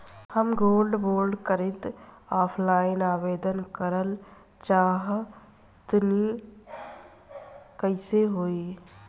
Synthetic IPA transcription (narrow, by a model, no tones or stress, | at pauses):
həmɡoːlɖboːɾɖkəɾɪt̪aːpʰlaːɪnaːʋeːd̪ənkəɾəl | t͡ʃaːɦ | t̪ni | kəɪseɦoːi